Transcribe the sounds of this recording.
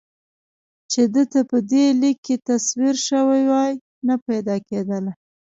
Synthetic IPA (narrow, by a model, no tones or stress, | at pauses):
t͡ʃed̪ət̪apəd̪elikːet̪aswiɾʃəwajwɑj | napajd̪ɑked̪əla